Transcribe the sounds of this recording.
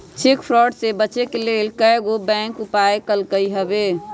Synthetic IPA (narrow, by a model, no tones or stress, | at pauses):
t͡ʃʰikpʰɾɔɖsebət͡ʃekelelkəjɡobɛ̃ŋkupaekəlkəjɦəbe